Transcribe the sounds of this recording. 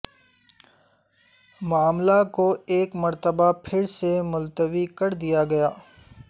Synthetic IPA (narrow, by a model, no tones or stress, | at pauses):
maːmlakoeːkmɐɾt̪əbapʰɪɾsemʊlt̪əʋikɐɾd̪ijaɡɐjaː